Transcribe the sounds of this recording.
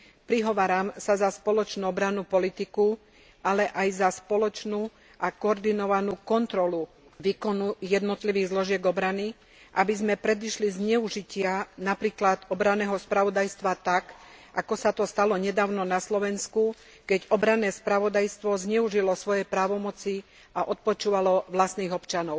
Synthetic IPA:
pɾiɦɔʋaːɾamsazaspɔlɔt͡ʃnuːɔbɾanuːpɔlit̪iku | ʔalɛʔajzaspɔlɔt͡ʃnuː | akɔɔɾd̪inɔʋanuːkɔnt̪ɾɔlu | ʋiːkɔnujɛd̪nɔt̪liʋiːɣzlɔʒɪɛɡɔbɾani | ʔabizmɛpɾɛd̪iʃlizɲɛuʒicɪanapɾiːklad̪ɔbɾanɛːɦɔspɾaʋɔd̪ajst̪ʋat̪akakɔsat̪ɔst̪alɔɲɛd̪aːʊnɔnaslɔʋɛnsku | kɛɟɔbɾanɛːspɾaʋɔd̪ajst̪ʋɔzɲɛuʒilɔsʋɔjɛpɾaːʋɔmɔt͡si | aʔɔt̪̚pɔt͡ʃuːʋalɔʋlast̪niːɣɔpt͡ʃanɔʊ

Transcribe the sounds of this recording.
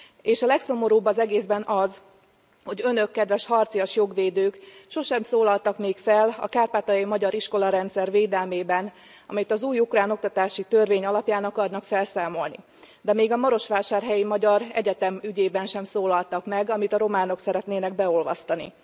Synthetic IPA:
eːʃɒlɛkso̞mo̞ɾoːbɒzɛɡeːzbɛnɒz | ho̞ɟø̞nø̞kːɛd̪ʋɛʃhɒrt̪sijoʃjo̞ɡʋeːd̪øːkʃo̞ʃɛmsoːlɒlt̪ɒkmeːkfɛlɒ̰kaːrpaːt̪ɒjimɒɟɒɾiʃko̞lɒɾɛnt̪sɛrveːd̪ɛlmeːbɛn | ɒ̰mit̪ɒzuːjukraːno̞k̚t̪ɒt̪aːʃit̪ø̞rveːɲɒlɒpjaːnɒkɒrnɒkfɛlsaːmo̞lnḭ | d̪ɛmeːɡɒmɒɾo̞ʃʋaːʃaːrɦɛjimɒɟɒɾɛ̰ɟɛt̪ɛmyɟeːbɛnʃɛmsoːlɒlt̪ɒkmɛɡɒmit̪ɒɾo̞maːno̞ksɛɾɛt̪neːnɛɡbɛolvɒ̰st̪ɒnḭ

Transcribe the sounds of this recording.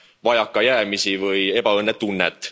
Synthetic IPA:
vɑjɑkːɑjæːmisivɤje̞b̥ɑɤnːet̪ːunːet̪ːˑ

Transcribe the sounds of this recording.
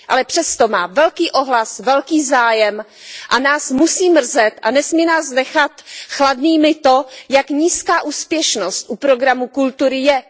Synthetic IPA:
ʔalɛpr̝̥ɛst̪o̞maːvɛlkiːʔo̞ɦlasvɛlkiːzaːjɛm | ʔanaːsmusiːmr̩zɛt̪ʔa̰nɛsmiːnaːsnɛxat̪xladniːmɪt̪ojakɲiːskaːʔuːspjɛʃnost̪ʔupɾo̞ɡɾamukult̪uɾɪjɛ

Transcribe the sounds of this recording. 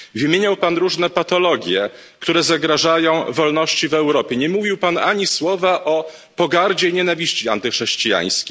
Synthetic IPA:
vɘmʲjeɲawpanɾuʐnɛpat̪ɔlɔɡʲjɛ | kt̪uɾɛzaɡɾaʐajɔ̃w̃vɔlnɔɕt͡ɕivɛwɾɔpʲjɛɲɛmuvʲiwpanaɲiswɔvaʔɔ | pɔɡaɾd͡ʑejɲɛnavʲiɕt͡ɕiant̪ɘxʂɛɕt͡ɕija̰j̃skʲi

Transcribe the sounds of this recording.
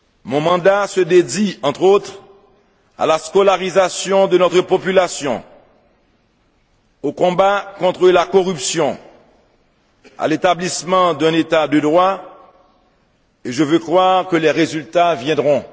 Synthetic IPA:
mɔ̃mɑ̃d̪asəd̪ed̪iɑ̃t̪χot̪χ | a̰laskɔlaʁizasjɔ̃d̪ənɔt̪χəpɔpylasjɔ̰̃ | okɔ̃bakɔ̃t̪χəlakɔʁypsjɔ̃ | a̰let̪ablismɑ̃d̪ɛ̃net̪ad̪əd̪ʁwa | eʒəvøkχwaʁkəlɛʁezylt̪avjɛ̃d̪ʁɔ̃

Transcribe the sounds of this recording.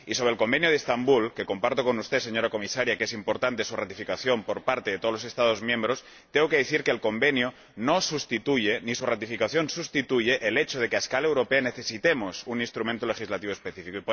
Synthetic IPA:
iso̞βɾelko̞mbenjoð̞est̪ambulke̞ko̞mpaɾt̪oko̞nust̪e̞se̞ɲo̞ɾako̞misaɾjakeesimpoɾt̪ant̪esurat̪ifikaθjo̞mpo̞ɾpaɾt̪e̞ðet̪olose̞st̪að̞o̞zmjẽ̞mbɾo̞s | t̪eokeðeθiɾkeːlko̞mbe̞njo | nosust̪it̪uʝenisurat̪ifikaθjo̞nsust̪it̪uʝe̞ʔːle̞t͡ʃoð̞e̞keaeskalaewɾo̞peaneθe̞sit̪emosunĩnst̪ɾumẽnt̪olexizlat̪iβoespe̞θifikoip

